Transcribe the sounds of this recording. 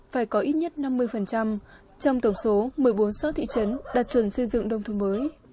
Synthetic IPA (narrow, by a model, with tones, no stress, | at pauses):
faː˧˩jkɔ˨˦ʔi˦˥t̚ɲə˦˥t̚na˧mːɨ˧əjfə˨˩nt͡ɕa˧m | t͡ɕɔ˧wŋ͡mt̪ə˧˩wŋ͡mso˨˦mɨ˨˩əjɓo˨˦nsɔ˨˦t̪ʰḭ˧˨t͡ɕə˨˦nɗaː˨˩t̚t͡ɕwə˧˩nsə˧jzɨ̰˧˨ŋɗə˧wŋ͡mt̪ʰməː˨˦j